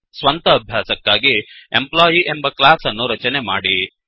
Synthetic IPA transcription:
sʋɐnt̪ɐːbʱjaːsɐkːaːɡiemplaːjiʔe̞mbɐklaːsɐnːuɾɐt͡ʃɐne̞maːɽi

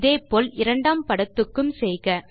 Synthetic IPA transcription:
ðeːpoːlɪɾɐɳɖaːmpɐɽɐt̪ːɯkːɯmsɛjɣɐ

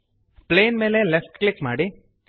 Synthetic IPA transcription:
pleːnme̞ːlelefʈklikːmaːɽi

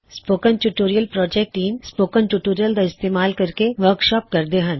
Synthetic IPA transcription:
spoːkənʈuːʈoːɾijəlpɾɔːd͡ʒek̚ʈiːnspoːkə̃nʈuːʈoːɾijəld̪aɪst̪eːmaːlkɐɾkeʋəɾkʃɔːp̚kɐɾd̪eɦɐ̃n

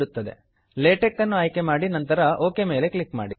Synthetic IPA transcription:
ɽut̪ːɐd̪e̞̰ | leːʈekːɐnːuɐjke̞maːɽinɐnt̪ɐɾɐʔoːkeme̞ːle̞kɭikma̰ːɽi

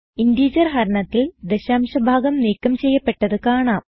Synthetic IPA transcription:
indiːd͡ʑɐrɦɐɾɐɳɐt̪ːild̪eɕaːmɕɐbʱaːɡɐmniːkːɐmt͡ɕe̞jːɐpːe̞ʈːɐðɨkaːɳaːm

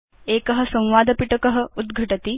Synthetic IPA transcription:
eːkɐɦɐ̆sɐ̃w̃ʋaːd̪ʱɐpiʈɐkɐɦɐ̆ud̪ɡʱɐʈɐt̪i

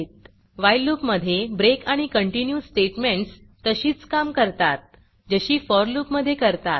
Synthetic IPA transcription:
t̪ | ʋajluːpməd̪ʱːjebɾekaɽ̃ikəɳʈinjusʈeʈmeɳʈs | t̪əɕiːt͡skamkəɾt̪at̪̚ | d͡ʑəɕiːfɔɾlupməd̪ʱːjekəɾt̪at̪̚

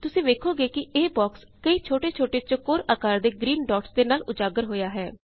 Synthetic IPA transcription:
t̪ʊsĩːʋeːkʰoːɡeːkɪeːbɔːks | kəiːt͡ʃʰoːʈeːt͡ʃʰoːʈeːt͡ʃəkoːɾaːkaːɾd̪eːɡɾiːnɖɔːʈsd̪eːnaːlʊd͡ʒaːɡəɾɦoːjaːɦɛː

